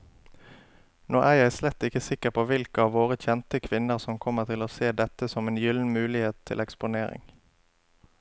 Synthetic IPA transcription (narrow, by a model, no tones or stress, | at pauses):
noːʔæːjæɪslɛt̪ːɪkəsɪkəʁpʰoːʋɪlkəɑːʋʋoːʁəc͡çɛnt̪əkʰʋɪnəʁsɔmkʰɔməʁt̪ʰɪloːseːd̪ɛt̪əsɔmeːnjʏln̩mʉːlɪheːt̪ʰɪ̰lɛkspʊneːʁɪ̰ŋ